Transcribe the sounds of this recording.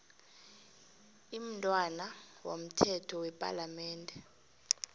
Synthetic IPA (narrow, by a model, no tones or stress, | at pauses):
im̩tʼwanawom̩tʰɛtʰɔwɛpʼa̰lamɛːndʱʼɛ